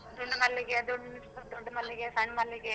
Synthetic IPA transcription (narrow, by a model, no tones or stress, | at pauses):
d̪oɳɖɐmɐlːiɡed̪oɖːniɐd̪ɔɖːɐmɐlːiɡesɐɳmɐlːiɡe